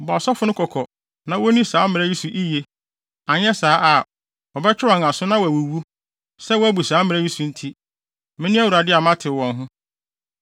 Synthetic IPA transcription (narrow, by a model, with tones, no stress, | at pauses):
bɔ˨a˨sɔ˦fʊ˦nʊ̃˦kʰɔ˨kʰɔ˨ | nã˦wo˦nĩ˦saː˨˦mɪ̃˨ɾɛ˦ji˦su˨ʔi˦je˦ | a˨ɲɛ˦saː˦ʔa˨ | ɔ˨bɛ˦t͡ɕʰᶣɪ˦ɾa˨n˨a˨sʊ˦nã˦wɔ˨æ˨wo˨wu˦ | sɛ˦wɔ˦æ˦bu˨saː˨˦mɪ̃˨ɛ˦ji˦su˨n̩˦tʰi˦ | mɪ̃˦nɪ̃˦æ˦wu˨ɾa˨dɪ˦a˨mã˦tʰɪ˨wɔ̃˨nɦʊ̃˦